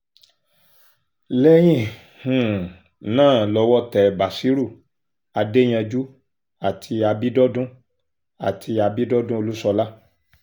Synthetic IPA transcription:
lɛ˦j̃ĩ˦˨ | hũ˨ | nãː˦˨lɔ˧wɔ˦tɛ˨ba˨si˦ɾu˦˨ | a˧de˦j̃ã˧d͡ʒu˦ | a˨tʰi˧a˧bi˦dɔ˦dũ˦ | a˨tʰi˧a˧bi˦dɔ˦dũ˦o˧lu˦sɔ˧la˦

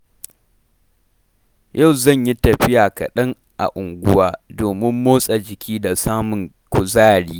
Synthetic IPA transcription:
ja˦˨wzɐ˦˨ɲji˦tɐ˨ɸɪ˦jaː˨kɐ̰˨ɗɐ˦ŋ | ʔa̰˨ʔʊ˨ŋɡʷʊ̰˦waː˦doː˨mɪ˦mːoː˦sʼa˨d͡ʒɪ˨kʲʰiː˦da˨saː˦mʊ˨ŋ | kʷʊ˨zaː˦˨ɽiː˦

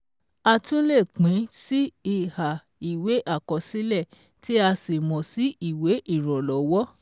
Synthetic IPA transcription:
a˧tũ˦le˦˨k͡pĩ˨˦si˦i˦˨ha˨ | i˨we˨˦ʔa˦˨kɔ˧si˦lɛ˦˨ | ti˦a˧si˨mɔ̃˨si˦i˦˨we˨˦ʔi˦˨ɾ̃ɔ̃˨lɔ˨˦wɔ˦

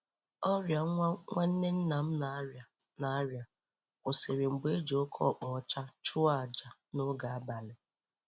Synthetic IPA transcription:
ɔ˦ɾja˨˦ŋʷa˦n̩˦ne˦n̩˦na˨m̩˦n˨ | na˨˦ɾja˨ | o˨se˨ɾe˨ŋ͡m̩˨ɡ͡be˦e˦d͡ʒo˦kʰɔ̰˦˨k͡pɔ˨ɔ˦t͡ʃa˦t͡ʃʊ˦a˦˨d͡ʒa˨no˦ɡa˨a˦ba˨lɪ˨

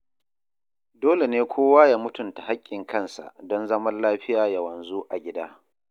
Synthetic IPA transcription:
doː˦le˨neː˦kʷʰoː˦waː˦jaː˦mʊ˦tʊ˨nta˨ha˦kʲʼːɪ˨ŋkʰɐ˦nsa̰˨ʔdɔ˦nzɐ˦mɐ˦nlaː˦ɸɪ˦jaː˨jɐ˨wɐ˨nzu˦ʔa˨ɡʲɪ˦daː˦

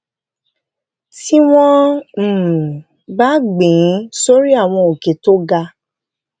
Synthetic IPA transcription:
ti˦w̃ɔ̃˦m̩˨ | ba˦ɡ͡bẽ˨˦so˦ɾi˦a˦˨w̃ɔ̃˧o˨ke˨˦to˦ɡa˧

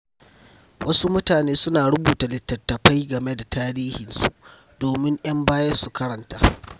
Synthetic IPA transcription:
wʔɐ˦su˦mʊ˦taː˨neː˦sʊ˦naː˨ɽʊ˦buː˨ta˨lɪ˨tːɐ˨rtːɐ˨ɸa˦jɡɐ˨me˦da˨taː˦ɽiː˦hɪ˨nsu˦ʔ | doː˨mɪ˦ŋʔj̰ɐ˦mbaː˦jɐ˦rsu˨kɐ˦ɽɐ˨ntaː˦

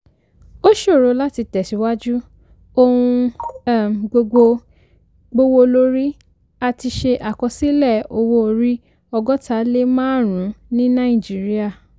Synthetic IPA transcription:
o˦ʃo˦˨ɾo˧˦la˦ti˧tɛ˨si˨˦wa˦d͡ʒu˦ | o˧hũ˧˦˨m˨ɡ͡bo˧ɡ͡bo˧ | ɡ͡bo˧wo˧lo˧˦ɾi˦ | a˧ti˧ʃe˧ʔa˨kɔ̃˧si˦lɛ˦˨o˧wo˧˦˨ɾi˦ | ɔ˧ɡɔ˦tʰa˨˦le˦mãː˦˨ɾ̃ũ˨˦nĩ˦nã˦ĩ˦˨d͡ʒi˨˦ɾi˦a˦˨

